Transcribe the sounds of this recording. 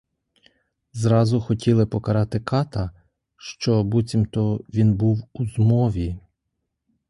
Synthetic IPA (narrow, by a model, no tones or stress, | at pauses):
zɾɑzʊxɔtʲʰilˠɪpɔkɐɾɑt̪ɪkɑt̪ɐ | ʃt͡ʃɔbut͡sʲimt̪ɔʋʲinbuwuzmɔʋʲi